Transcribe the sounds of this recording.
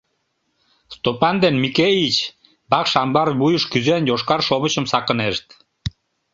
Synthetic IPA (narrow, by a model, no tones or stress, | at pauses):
st̪opɑnd̪enmikeit͡ɕ | bɑkʃɑmbɑrβujəʃkyzenjoʃkɑrʃoβət͡ɕə̆msɑkə̆neʃt̪